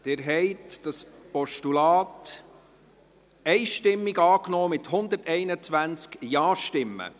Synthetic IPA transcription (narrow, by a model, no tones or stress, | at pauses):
d̥ɪɾɦɛɪtd̥ɑs | pɔʃtulɑːt | ɛɪʃtɪmːiɡɑːknɔːmɪt̪hʊnd̪əɾtɛɪnət͡sʋænt͡skjɑːʃtɪmːə̰